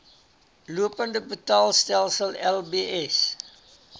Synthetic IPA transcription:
luəpəndəbətɑːlˠstælˠsəlɛlˠbiʔɛs

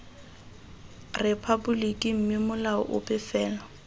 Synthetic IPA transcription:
repʰabʊlikʼim̩mɪmʊlaʊ̰ʔʊ̰pʼɪfɛːla

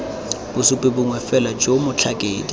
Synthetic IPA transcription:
b̥ʊsʊpʼɪbʊŋwɛfɛlad͡ʒomʊt͡ɬʰakʼeːdi

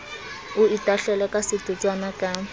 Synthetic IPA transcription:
ʊitʼaɬɛlɛkʼasɪtʼut͡ʃʼwanakʼa

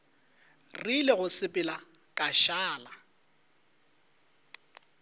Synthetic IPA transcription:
rilɪɣʊsɪpʼɪla | kʼaʃaːla

